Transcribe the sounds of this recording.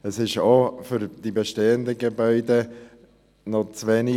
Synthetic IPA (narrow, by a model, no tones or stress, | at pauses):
əsɪʃofʏɾd̥ibeʃteːəndəɡebœʏde | nɔt͡sʋeːni